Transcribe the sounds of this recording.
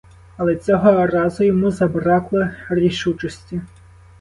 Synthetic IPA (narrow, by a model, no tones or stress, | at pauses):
ɐlˠɛt͡sʲɔɦɔrazʊjɔmuzɐbɾaklˠɐrʲiʂut͡ʂɔsʲtʲi